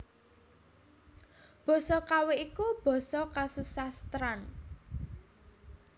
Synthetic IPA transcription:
b̥ɔ̤sɔkaweikub̥ɔ̤sɔkasusahst̪ɾan

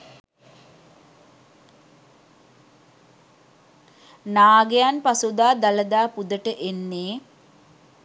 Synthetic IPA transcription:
naːɡejanpasud̪aːd̪aləd̪aːpud̪əʈəʔenːeː

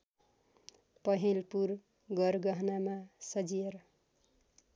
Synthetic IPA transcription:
pʌɦelpur | ɡʌɾɡʌɦnamasʌd͡zieɾʌ

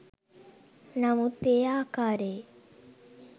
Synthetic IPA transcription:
namut̪ːeːaːkaːɾe

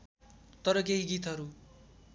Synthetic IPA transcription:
t̪ʌɾʌk̬eɦiɡit̪ɦʌɾu

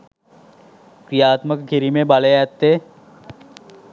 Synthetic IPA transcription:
kɾijaːt̪məkɡʱiɾimebalejat̪ːe

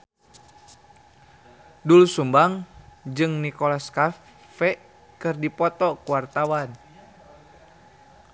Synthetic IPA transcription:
dulusumbaŋd͡ʒɨŋnikɔlaska | fɛ | kɨrdipɔt̪ɔkuwart̪awan

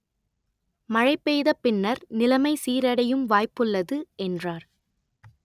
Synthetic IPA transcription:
mɐɻɐɪpːejðɐpːɪnːɐɾnɪlɐmɐɪsiːɾɐɽɐjɯmʋaːjpːɯlːɐðɯʔɛndraːɾ

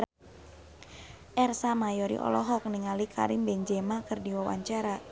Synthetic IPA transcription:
ʔɛrsamajɔɾḭʔɔ̰lɔɦɔk̚niŋalikʰa̰ɾimbɛɲd͡ʒɛmakɨrdiwawa̰ɲt͡ʃaɾa

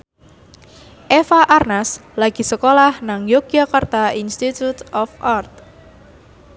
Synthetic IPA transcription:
ʔefaʔarnaslaɡ̥i̤səkolahnaŋjokiakart̪ainst̪it̪ut̪ɔfʔart̪̚

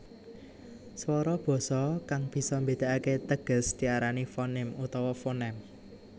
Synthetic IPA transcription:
swɔɾɔb̥ɔ̤sɔkaŋb̥i̤sɔmbe̤d̪̥a̤ʔaket̪əɡ̥ə̤sd̪̥i̤aɾanifonɪmut̪ɔwɔfonɛm

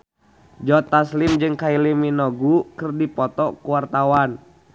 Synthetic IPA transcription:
d͡ʒɔt̪aslimd͡ʒɨŋkailiminɔɡukɨrdipɔt̪ɔkuwart̪awan

